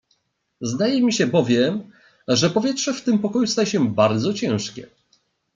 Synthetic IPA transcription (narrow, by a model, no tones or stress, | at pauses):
zd̪ajɛmʲiɕɛbɔvʲjɛm | ʐɛpɔvʲjɛtʂɛft̪ɘmpɔkɔjust̪ajɛɕɛbaɾd̪zɔt͡ɕɛ̃w̃ʂkʲɛ̰